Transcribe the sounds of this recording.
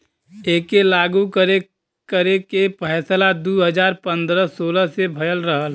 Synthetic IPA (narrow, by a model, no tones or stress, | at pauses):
eːkelaːɡukəɾe | kəɾekepʰəɦsəlad̪uːɦəd͡ʒaːɾpə̃nd̪ɾəsoːləsebʱəjəlɾəɦəl